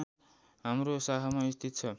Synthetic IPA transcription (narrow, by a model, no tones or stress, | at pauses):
ɦamɾosaɦamaist̪ʰit̪t͡sʰʌ